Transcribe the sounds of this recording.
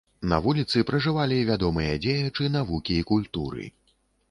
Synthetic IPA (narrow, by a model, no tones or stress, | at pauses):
nɐ̰vulʲit̪sɨpɾɐʐɨvalʲivʲad̪ɔmɨjɐd͡zʲejɐt͡ʂɨnavukʲiːkulʲt̪uɾɨ̰